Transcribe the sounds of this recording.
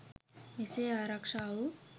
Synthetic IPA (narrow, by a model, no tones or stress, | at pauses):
iseːaːɾakʂaːu